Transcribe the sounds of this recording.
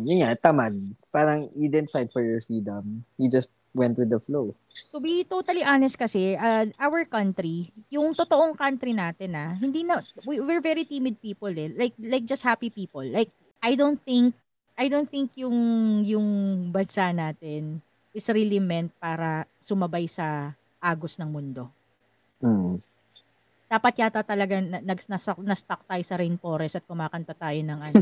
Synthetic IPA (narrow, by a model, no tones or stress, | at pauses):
jʊnŋat̪amanpaːɾɐŋad̪ɛnt̪ɪfajd̪fɔɹjɔɹfɹiːd̪ɐmjud͡ʒɐst̪̚wɛnt̪ɾud̪ɐflow | t̪ʊbit̪ot̪ɐliʔaːnɛst̪̚kɐsɛʔɐʔaːwɐɹkɐnt̪ɾijʊŋt̪ot̪oʔoŋkɐnt̪ɾinaːt̪ɛnɐɦɪnd̪iːnɐwiwɪɹvɛɹit̪iːmɪd̪̚piːpɔlɛlajk̚lajk̚d͡ʒɐst̪̚hapipiːpolːajk̚ | ʔɐjd̪on̚θɪŋk̚ | ʔɐjd̪ownθɪŋkjʊŋjʊŋbɐnsaʔnaːt̪ɛn | ʔɪsɾilɪmɛnt̪̚paːɾɐ | sʊmɐbajsɐ | ʔaːɡosnɐŋmʊnd̪o̞ | d̪̥aːpɐt̪̚jat̪at̪ɐlɐɡanɐnɐɡsnɐsɐnɐst̪ɐk̚t̪aːjosɐɾɛjnpo̞ːɾɛsɐt̪̚kʊmaːkɐnt̪ɐt̪aːjonɐŋʔɐn